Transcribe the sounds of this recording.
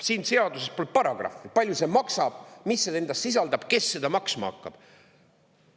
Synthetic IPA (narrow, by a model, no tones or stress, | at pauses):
siːnse̞ɑd̪use̞spolt̪̚pɑɾɑɡ̥rɑ̰fipɑlʲjuse̞mɑksɑb̥misːee̞nd̪̥ɑst̪sis̬ɑld̪ɑb̥ke̞sːed̪̥ɑmɑksmɑ̰ɑ̰kːɑb̥